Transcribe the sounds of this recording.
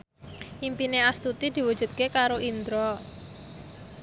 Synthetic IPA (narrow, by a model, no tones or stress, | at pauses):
ʔimpineast̪ut̪id̪̥i̤wud̥ʒ̥ṳt̪̚kekaɾoʔind̪ɾɔ